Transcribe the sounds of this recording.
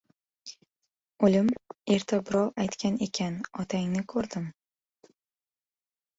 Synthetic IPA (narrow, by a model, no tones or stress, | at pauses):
olɪme̞ɾt̪ʰabɪɾɒwajt̪kʲane̞kʲʰanɒt̪ʰaŋnɪkʰɵɾd̪ɪm